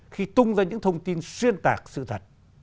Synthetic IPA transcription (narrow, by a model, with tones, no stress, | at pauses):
xi˧t̪ʊ˧ŋ͡mzaː˧ɲɨ̰˧˥ŋt̪ʰə˧wŋ͡mt̪i˧nswi˧ənt̪a̰ː˨˩k̚sɨ̰˧˨t̪ʰə˨˩t̚